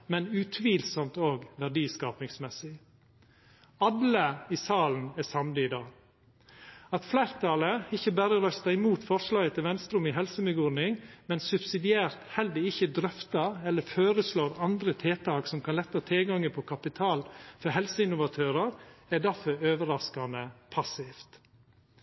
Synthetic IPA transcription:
mɛnʉt̪ʰʋiːlsɔmt̪oːɡʋæɖiːskɑːpnɪŋsmɛsɪ | ɑlːəisɑːln̩æsɑmd̪ɪɪd̪ɑːɡ | ɑt̪flæːɾt̪ɑːləɪçːəbæːɾəɾœst̪ɑɪmuːt̪fɔʂɭɑːɡət̪ʰɪlʋɛnst̪ɾʉmɪɦɛlsəmʏɡɔɾnɪŋmɛnsʉbsɪd̪ɪeːɾt̪hɛld̪əɪçəd̪ɾœft̪ɑɛlːəføːɾəsloːɾɑnd̪ɾət̪ʰeːt̪ʰɑːksɔmkʰɑnlɛt̪ːɑt̪ʰeːɡɑŋːəpʰɔkʰɑpɪt̪ʰɑːlfɔɾɦɛlsəɪnʊʋɑt̪ʰøːɾəɾæɖ̪æɾfœɾøːʋəɾɑskɑnəpʰɑsɪft̪

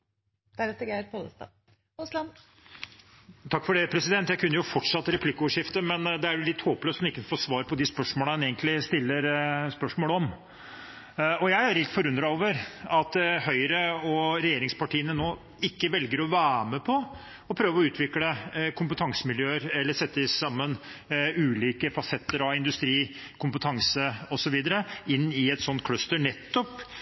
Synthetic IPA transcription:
d̪̥æɾɛt̪ɑɡeːɾpʰoləst̪ɑ̰ | ʊslɑn | t̪ʰɑkːfɔɖɛpʰɾɛsɪd̪ɛnt̪jæɪkʰʉnːəjʊfɔʈʂɑt̪ːəɾɛpʰlɪkːəɔʋəʂɪft̪əmɛnd̪ɛæɾjʊlɪt̪ːhoːpløːsmɪkːənfoːsʋɑːɾəpʰɔd̪ɪspœʂmoːləneːɡənt̪lɪst̪ɪlːəɾspœʂmoːləɔm | ɔjæɪæɾɛlt̪fɔɾʉnd̪ɾɑoːʋəɾɑt̪hœʏɾəɔɾɛjeːɾɪŋspɑʈiːənənoː | ɪkːəʋɛlɡəɾɔʋæːɾməpʰɔ | ɔpʰɾøːʋəɔʉːt̪ʰʋɪkɽəkʰʊmpət̪ʰɑŋsəmɪljøːəɾɛlːəʂɛt̪ːəɪssɑmːənʉːliːkəfɑsɛt̪ːəɾɑɪnd̪ʉst̪ɾiː | kʰʊmpət̪ʰɑŋsəɔsɔʋiːd̪əɾəɪnːɪɛt̪sɔnt̪̚kʰlœst̪əɳɛt̪ːɔp

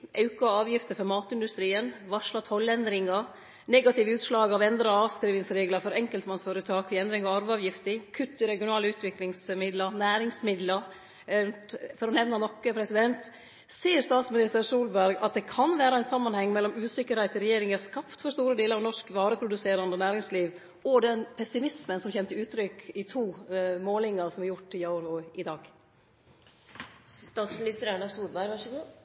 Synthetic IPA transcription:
ʔɑʉkɑɑːʋjɪft̪əfɔɾmɑːt̪ɪnd̪ʉst̪ɾiːənʋɑʂɭɑt̪ʰɔlːɛnd̪ɾɪŋɑ | nɛɡɑt̪ɪːʋəʉːt̪ʂlɑːɡɑʋɛnd̪ɾɑɑːʋskɾiːʋɪŋsɾeːɡləfɔɾɛŋkəlt̪mɑnsføːɾət̪ʰɑːkʋɪɛnd̪ɾɪŋɑʋɑɾʋəɑːʋjɪft̪ɪkʰʉt̪ːɪɾɛɡɪʊnɑːləʉːt̪ʰʋɪklɪŋsmɪd̪lɑnæːɾɪŋsmɪd̪lɑ | fɔɾɔnɛʋnɑnɔkːəpʰɾɛsɪd̪ɛnt̪ | siːəɾst̪ɑːt̪smɪnɪst̪əɾsuːlbæɾɡɑ̰t̪̚d̪ɛkʰɑnʋæːɾɑæɪnsɑmːɑnhɛŋːmɛlːɔmʉːsɪkːəɾhæɪt̪ɪɾɛjeːɾɪŋæskɑpt̪fɔɾst̪uːɾəd̪eːləɾɑʋnɔʂkʋɑːɾəpʰɾʊd̪ʉseːɾɑnd̪ənæːɾɪŋsliːʋ | ɔd̪ɛnpʰɛsɪmɪsmənsɔmçɛnt̪ːəʉːt̪ɾʏkɪt̪ʰuːmoːlɪŋɑsɔmæɾjʊʈːɪjɑʊɾʊɪd̪ɑːɡ | st̪ɑːt̪smɪnɪst̪əɾeɳəsuːlbæɾɡʋɑɡ

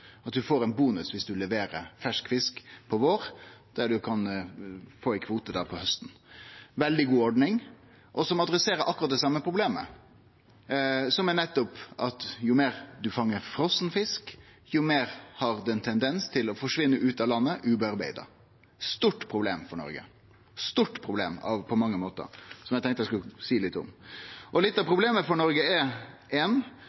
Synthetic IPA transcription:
ɑt̪̚d̪ʉfoːɾæɪnbuːnʉsʋɪsd̪ʉlɛʋeːɾəɾfæʂkfɪskpʰɔʋoːɾd̪̥æɖʉkʰɑn | foːɛkʰʋuːt̪əd̪æɾpʰɔhœst̪n̩ʋɛld̪ɪɡuːɔɖnɪŋ | ʔɔsɔmɑd̪ɾɛseːɾəɾʔɑkːʉɾɑt̪̚d̪ɛsɑmːəpʰɾʊbleːmə̰ | sɔmænɛt̪ːɔpʔɑt̪jʊmeːɾd̪ʉfɑŋːəɾfɾɔsnfɪsk | jʊmeːɾhɑɾd̪ʉɛnt̪ʰɛnd̪ɛnst̪ʰɪlɔfɔʂʋɪnːəʔʉːt̪ɑlɑnːəʔʉbɛɑɾbæ̰ɪd̪ɑ̰ | st̪uːʈːpʰɾʊblḛːmfɔɳɔ̰ɾɡə̰ | st̪uːʈːpʰɾʊblḛːmɑ̰ʋpʰɔmɑŋːəmoːt̪ə̰ɾsɔmjæɡt̪ʰɛŋkt̪əæskʉlsiːlɪt̪ːʊ̰mʔɔlɪt̪ːɑʋpʰɾʊbleːməfɔɳɔɾɡəɛ | ɛn

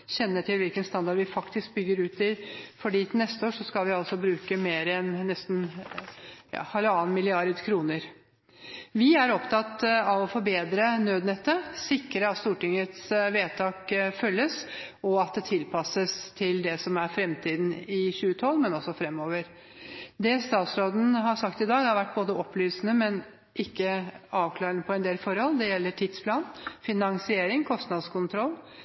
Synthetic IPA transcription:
ɕɛnːəʈʰɪlʋɪlkənst̪ɑnd̪ɑɖʋɪfɑkt̪ɪsk̚bʏɡːəɾʉːt̪ɪfɔɖiːnɛst̪əoːʂɔskɑlʋɪɑlsɔbɾʉːkəmeːɾɛnnɛst̪n | jɑ̰ːhɛlːəɑːnmɪlɪɑɾd̪kʰɾuːnəɾ | ʋɪæɾɔpt̪ʰɑt̪ɑʋɔfɔɾbeːd̪ɾənøːd̪nɛt̪ːəsɪkːɾəɑt̪st̪uːʈɪŋːət̪sʋeːt̪ʰɑːkfœlːəs | ɔɑt̪̚d̪ɛt̪ʰɪlpʰɑsəst̪ʰɪld̪ɛsɔmæɾfɾɛmt̪ʰiːd̪n̩ɪɕʉːət̪ʰɔlːmɛnɔsːɔfɾɛmːoːʋəɾ | d̪ɛst̪ɑːt̪sɾoːd̪n̩ɦɑsɑkt̪ɪd̪ɑːɡhɑɾʋæʈːboːd̪əɔpːlyːsənəmɛn | ʔɪkːəɑːʋkʰlɑːɾənəpʰɔɛnd̪eːlfɔɾhɔlːd̪ɛjɛlːəʈʰɪd̪spʰlɑːnfɪnɑŋsɪeːɾɪŋkʰɔst̪nɑd̪skʊnt̪ʰɾɔlː

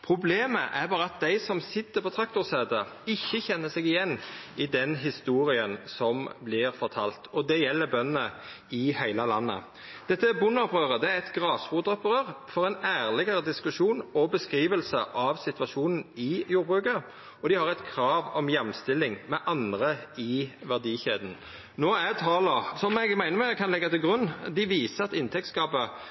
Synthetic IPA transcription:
pʰʁʊbleːməʔæbɑːʁəɑt̪̚d̪æɪsɔmsɪt̪ːəɾpʰɔt̪ʰɾɑk̚t̪ʊʁseːd̪əɪçːəçɛnːəsɛɡɪjɛnːɪd̪ɛnɦɪst̪uːɾɪənsɔmblɪʁfɔʁt̪ʰɑlt̪ʰɔd̪ɛjɛlːəɾbœnənə | ɪhæɪlɑlɑnːə̰ | d̪̥ɛt̪ːəæbʊnːɔpʁøːʁəd̪ɛæɾɛt̪ɡʁɑːsbuːd̪ɔpɾøːʁfɔʁɛɪnæːʁlɪɡəʁəd̪ɪskʉʃuːnɔbəskʁiːʋəlsəʔɑʋsɪt̪ʋɑʃuːnn̩ɪjuːɾbʁʉːkə | ɔd̪ɪhɑʁɛɪt̪kʰɾɑːʋɔmjɛmːst̪ɪlːɪŋmɛʔɑnd̪ʁəɪʋæʁd̪iːçeːd̪n̩ | noːæt̪ʰɑːləsɔmɛɡmæɪnəmɛkʰɑnlɛɡːɑt̪ɪlɡʁʉnːd̪ɪʋiːsəɑt̪ɪnt̪ʰɛk̚t̪skɑːpə

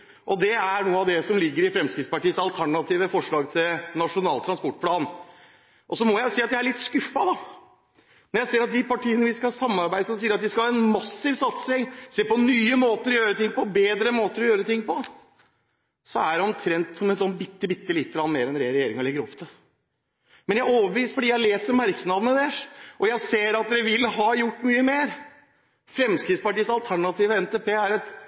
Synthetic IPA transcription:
ʔɔd̪ɛæɳuːəɑʋd̪ɛsɔmlɪɡːəɾɪfɾɛmskɾɪt̪spɑʈiːəsɑlt̪ʰæɳɑt̪ʰiːʋəfɔʂɭɑːɡt̪ʰɪlnɑʂʊnɑːlt̪ʰɾɑnspɔʈ̚ːpʰlɑːn | ʔɔsɔmɔjæɪʊsiːɑt̪d̪ææɾɭɪt̪ːskʉfːɑd̪ɑ | mɛnjæɪseːəɾɑt̪̚d̪ɪpɑʈʰiːənəʋɪskɑsɑmːɑɾbæɪd̪əsɔmsiːəɾɑt̪̚d̪ɪskɑlhɑːɛnmɑsːɪʋsɑt̪sɪŋseːpɔnyːəmoːt̪əɾɔjøːɾət̪ɪŋːpɔbeːd̪ɾəmoːt̪əɾɔjøːɾət̪ɪŋːpɔ | sɔæɖɛɔmt̪ʰɾɛnt̪sɔmɛnsɔnːbɪt̪ːəbɪt̪ːəlɪt̪ːəɾɑnːmeːɾɛnɾɛeɾɛjeːɾɪŋəɔlɛɡːəɾɔ̰pt̪ʰə | mɛnjæɪoːʋəʋiːsfɔɖiːjæɪleːsəɾmæɾknɑd̪ənəd̪ɛʔɔjæɪseːɾɑt̪̚d̪ɛʋɪlːɦɑːjʊʈːmyːəmeːɾ | fɾɛmskɾɪt̪spɑʈiːsɑlt̪ʰæɳɑt̪iːʋəɛnt̪eːpeːæɾɛt̪

